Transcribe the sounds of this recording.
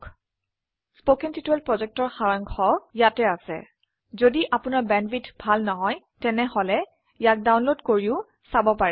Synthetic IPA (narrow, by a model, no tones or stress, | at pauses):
spokintituɛlpɹɔzɛk̚tɔɹxaɹaŋkʰɔjatɛasɛ̰ | zodiʔapʊnaɹbɛnbitbʱalnɔɦɔj | tɛnɛɦɔlɛ | jak̚dawnlodkoɹiʊ | sabɔpaɹɛ